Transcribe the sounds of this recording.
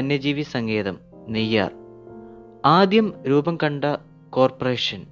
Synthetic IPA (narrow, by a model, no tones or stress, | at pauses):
ɐnːɐd͡ʑiːʋisɐŋɡʰe̞ːðɐm | nijːa̰ːr | aːd̪jɐmɾuːbɐmkɐɳɖɐ | ko̞ːrpɐreːʂɐn